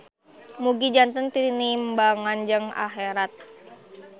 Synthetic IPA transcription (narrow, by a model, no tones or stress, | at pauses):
muɡid͡ʒant̪ənt̪inimbaŋand͡ʒɨŋa̰xeɾat̪̚